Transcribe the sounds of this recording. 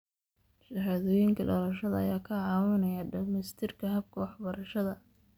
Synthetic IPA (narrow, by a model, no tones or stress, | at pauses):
ʃɐɦaːðɔːjɪŋkʰɐɖɔlɐʃɐðɐɐ̰jaːkʰɐʕɑːwɪnɐjɐɖɐlmɛst̪ʰɪrkʰɐɦɐb̚kʰɐwɑħbɐɾɐʃɐðɐ